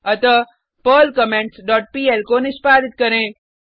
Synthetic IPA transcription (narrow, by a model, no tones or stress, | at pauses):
ɐt̪ə | pəːlkɐmẽːɳʈsɖɔːʈ̚piːelkonɪspaːd̪ɪt̪̚kɐɾẽː